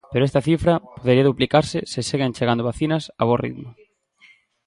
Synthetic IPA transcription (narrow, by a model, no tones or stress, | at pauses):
peɾoɛst̪ɐθifɾɐpoðeɾiɐðuplikaɾsɪsɪseɣent͡ʃeɣand̪oβaθinɐsaβorḭðmʊ